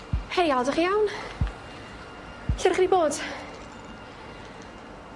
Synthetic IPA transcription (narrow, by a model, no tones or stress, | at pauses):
hʰɛjalˠɔdəχijawn | ɬɛrχniboːd̥